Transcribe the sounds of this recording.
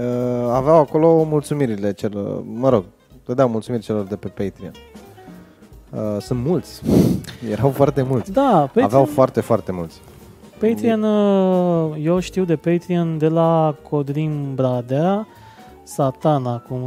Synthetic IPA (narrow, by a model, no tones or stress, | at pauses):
əaveawako̞lo̞mult̪sumiɾile̞t͡ʃelo̰rməɾo̞ɡ̚ | t̪əd̪eawmult̪sumirʲt͡ʃe̞lo̞rd̪e̞pe̞pejt̪ɾia̰n | əsunt̪mult̪sʲjeɾawfoart̪e̞mult̪sd̪apeaveawfoart̪e̞foart̪e̞mult̪sʲ | pejt̪ɾianə | jewʃt̪iwd̪e̞pejt̪ɾiand̪e̞lakʰod̪ɾimbɾad̪a | sat̪anakum